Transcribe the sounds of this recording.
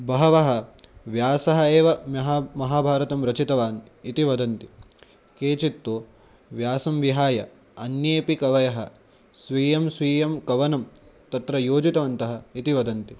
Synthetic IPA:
bɐɦɐʋɐɦɐʋjaːsɐɦɐeːʋɐmɐɦmɐɦaːbʱaːɾɐt̪ɐmɾɐt͡ʃit̪ɐʋaːn | it̪iʋɐd̪ɐnt̪i | keːt͡ʃit̪ːoː | ʋjaːsɐmʋiɦaːjɐ̰ | ɐnjeːpikɐʋɐjɐɦɐ | sʋiːjɐmsʋiːjɐmkɐʋɐnɐmt̪ɐt̪ɾɐjoːd͡ʒit̪ɐʋɐnt̪ɐɦɐit̪iʋɐd̪ɐnt̪i

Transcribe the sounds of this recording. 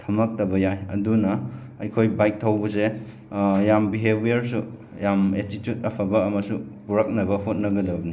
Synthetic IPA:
tʰɐmɐk̚tɐbɐjajɐ̰dunɐ | ɐjkʰojbajk̚tʰawbɐse | jambiɦebʱijɐɾsu | jametitjut̚ɐpʰɐbɐːmɐsupuɾɐk̚nɐbɐɦot̚nɐɡɐdɐbɐni

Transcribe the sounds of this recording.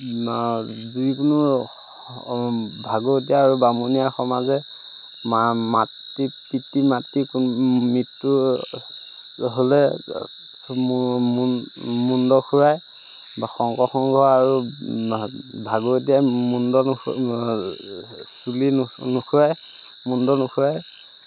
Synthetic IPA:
zikunʊ | bʱaɡot̬ijaːɹubamunijaxɔmazɛ | mamat | ipitːimatːikmitːu | ɦolɛ | mmundɔxʰuɹaj | axɔŋkɔxɔŋɡʱɔaɹu | bʱaɡot̬ijajmundɔ | sulinukʰuɹaj | mundɔnukʰuɹaj

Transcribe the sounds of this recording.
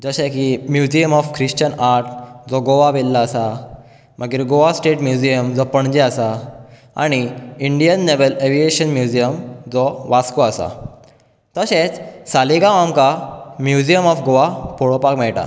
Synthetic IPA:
d͡zəɕẽkimjud͡ʑijəmɔfkʰɾiɕt͡ɕənaɾʈd͡zɔɡoʋaʋelːaːsa | məɡiːɾɡoʋasʈeʈmjud͡ʑijəmd͡zɔpəɳd͡ʑɛasa | a̰ɽ̃iiɳɖijənːeʋəleʋieɕənmjud͡ʑijəmd͡zɔʋaskɔasa̰ | t̪əɕet͡ssaliɡaʋamkamjud͡ʑijəmɔfɡoʋapoɭɔpakmɛɭʈa̰

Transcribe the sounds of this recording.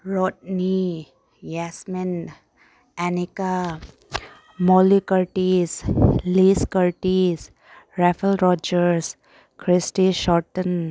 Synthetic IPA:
ɾɔʈ̚ni | jɛsmen | ɛnika | mɔːlikəɾʈisliskəɾʈis | ɾɛfəlɾɔːd͡ʒəɾs | kɾɪsʈiʃɔːʈən

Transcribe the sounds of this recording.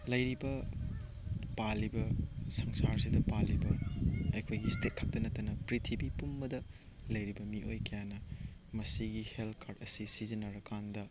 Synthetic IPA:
lɐjɾibɐ | palːibɐsɐŋsaɾs̬idɐpalːibɐɐjkʰojɡistet̚kʰɐk̚tɐnɐtːɐnɐpɾitʰibipumbɐdɐ | lɐjɾibɐmiʔojkɐjanɐmɐsiɡiheltkʰaɾdɐsisizinːɐɾɐkandɐ

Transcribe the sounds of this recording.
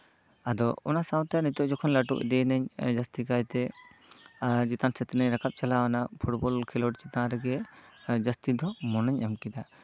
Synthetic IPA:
ad̪ɔɔ̰nasaw̃t̪ɛanit̪ɔʔd͡ʒɔkʰɔnlaʈṵʔd̪ɛjnəɲd͡ʒast̪ikajt̪ɛ | d͡ʒit̪ansɛt̪ɛnəɲɾakap̚t͡ʃalawanapʰuʈbɔlkʰɛlɔʈt͡ʃit̪ãɾɛɡɛd͡ʒast̪id̪ɔmɔnəɲamkid̪a

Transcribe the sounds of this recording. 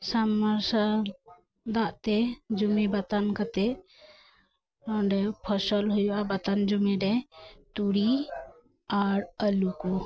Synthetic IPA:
saməɾsa | d̪aʔt̪ɛd͡ʒumibat̪ankat̪ɛ | ɔ̃ɖɛpʰɔsəlɦujabat̪and͡ʒumiɖɛt̪uɽi | aɾəlukɔ

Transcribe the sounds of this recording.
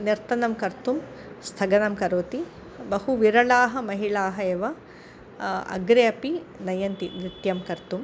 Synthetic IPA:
niɾt̪ɐnɐmkɐɾt̪um | st̪ʰɐɡɐnɐmkɐɾoːt̪i | bɐhuʋiɾɐɭaːɦɐ̆mɐɦiɭaːɦɐeːʋɐ | ɐ̰ɡɾeːɐpinɐjɐnt̪iniɾt̪jɐmkɐɾt̪um

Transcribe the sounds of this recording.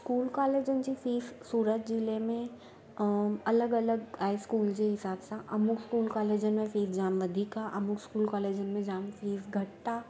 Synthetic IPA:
skuːlkaːleːd͡ʒənd͡ʒifiːfsuːɾət̪d͡ʒɪlemẽ | ɐləɡɐləɡhaːɪskuːld͡ʒeɦɪsaːbsaʔɐmʊkskuːlkaːleːd͡ʒənmẽfiːfd͡ʒaːmʋɐd̪ʱikaʔɐmʊkskuːlkaːleːd͡ʒənmẽd͡ʒaːmfiːfɡʱɐʈ̚ta

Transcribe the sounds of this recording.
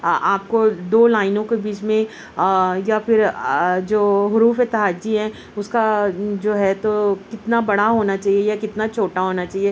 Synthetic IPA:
aːp̚kod̪oːlaːɪnõkebiːt͡ʃmẽ | jafɪɾd͡ʒoːɦʊɾuːfet̪ɐɦaːd͡ʒiɦɛ̃ | ʊskad͡ʒoːɦɛt̪okɪt̪nabɐɽ̤aɦoːnat͡ʃaːɦiejakɪt̪nat͡ʃʰoːʈaɦoːnat͡ʃaːɦieː

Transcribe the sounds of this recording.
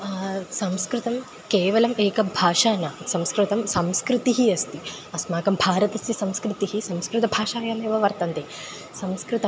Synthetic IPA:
sɐmskɾɪt̪ɐm | keːʋɐlɐmeːkɐbʱaːʂaːnɐsɐmskɾɨt̪ɐmsɐmskɾɪt̪iɦiɐst̪i | ɐsmaːkɐmbʱaːɾɐt̪ɐsisɐmskɾɪt̪iɦisɐmskɾɨt̪ɐbʱaːʃaːjaːmeːʋɐʋɐɾt̪ɐnt̪eː | sɐmskɾɨt̪ɐ

